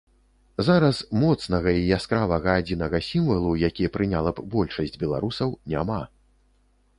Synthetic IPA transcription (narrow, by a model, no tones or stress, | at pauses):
zaɾɐsmɔt̪snɐɣɐijaskɾavɐɣɐːd͡zʲinɐɣɐsʲimvɐlˠujakʲijɛpɾɨnʲalˠɐbbɔlʲʂɐsʲd͡zʲbʲɛlˠa̰ɾusɐwnʲama